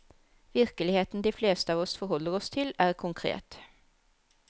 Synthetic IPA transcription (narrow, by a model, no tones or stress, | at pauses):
ʋɪʁkəlɪheːt̪nd̪ɪfleːst̪əɑːʋɔsfɔɾhɔlːəɾɔst̪ʰɪlæʁkʰʊŋkʰɾḛːt̪